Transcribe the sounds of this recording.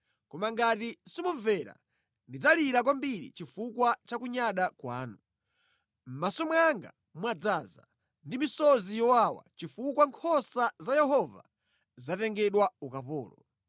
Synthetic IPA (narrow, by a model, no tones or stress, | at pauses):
kɔmaŋɡatisimuɱvɛɾa̰ | ndid͡zaliɾak̬wambiɾḭt͡ʃifukwat͡ʃakuɲaɗakwa̰ːnu | m̩masɔmwɛaŋɡa̰ | mwad͡zaːza̰ | ndimisɔzijɔwawa̰t͡ʃifukwaŋkʰɔsazajɛɦɔva̰ | zatɛŋɡɛɗwaukapɔ̰ːlɔ